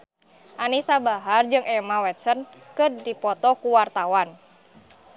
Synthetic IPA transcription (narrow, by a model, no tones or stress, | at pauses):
ʔanisabaɦard͡ʒɨŋʔɛmawɛt̪̚sənkɨrdipɔt̪ɔkuwart̪awan